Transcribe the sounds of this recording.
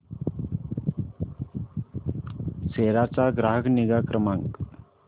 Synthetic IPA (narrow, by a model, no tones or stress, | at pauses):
seːɾat͡saɡɾaːɦəɡniɡakɾəmãŋk